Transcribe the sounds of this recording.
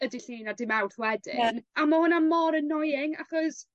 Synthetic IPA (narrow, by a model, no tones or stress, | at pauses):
ədiɬiːnadɪmawrθwɛdɪ̰namɔhʊnamɔɾənɔjɪŋa̰χɔs